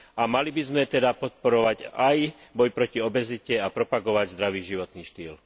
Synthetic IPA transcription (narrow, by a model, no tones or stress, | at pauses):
amalibizmɛt̪ɛd̪apɔt̪̚pɔɾɔʋaɟajbɔjpɾɔciɔbɛzicɛapɾɔpaɡɔʋaɟzd̪ɾaʋiːʒiʋɔt̪niːʃt̪iːl